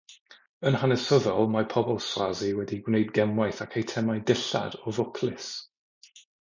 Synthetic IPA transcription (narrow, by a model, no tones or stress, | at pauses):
ənhanɛsəðɔlˠmapʰɔbɔlˠswaziwɛdiɡwnejdɡɛmwajθakʰejtʰɛmajdɪɬa̰d̥ɔvʊkʰlɪs